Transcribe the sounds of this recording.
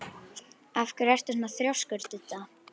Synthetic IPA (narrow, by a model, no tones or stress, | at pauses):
afkʏɾɛr̥t̪ɪsnaθɾjawskœɾt̪ɪt̪ːa